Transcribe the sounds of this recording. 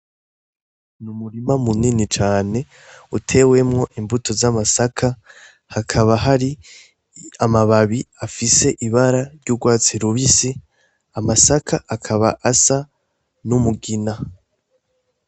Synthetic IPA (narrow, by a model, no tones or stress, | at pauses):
numuɾimamuninit͡ʃaːne̞ | utʰe̞we̞mŋo̞ʔimbutʰo̞zamasakʰa | hakʰaβaɦaɾi | amaβaβiafise̞ʔiβaɾaɾɟuɡwaːt͡siɾuβisi | amasakʰaʔakʰaβa̰ʔasa | numuɡina